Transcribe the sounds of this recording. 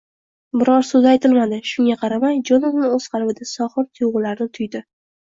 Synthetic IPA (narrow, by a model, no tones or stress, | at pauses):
bɪɾɒɾsɵzajt̪ʰɪlmad̪ɪʃʊŋʲaqʰɑɾamajd͡ʒɒnɒvnɪoz̥qʰɑɾbɪd̪ɪsɒχɨɾt̪ʰʊjʁʊlaɾnɪt̪ʰʊjd̪ɪ